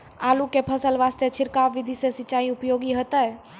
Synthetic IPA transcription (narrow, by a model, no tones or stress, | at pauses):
alukepʰəsəlʋast̪et͡ʃʰɪɾkaʋid̪ʱisesɪt͡ʃːaːiupjoɡiɦət̪əj